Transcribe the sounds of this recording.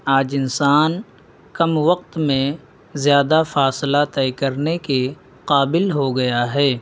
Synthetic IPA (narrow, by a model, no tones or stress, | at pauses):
aːd͡ʒɪnsaːn | kɐmwɐqt̪mẽ | zjaːd̪afaːslat̪ɛkɐɾneke | qaːbɪlɦoɡɐjaɦɛː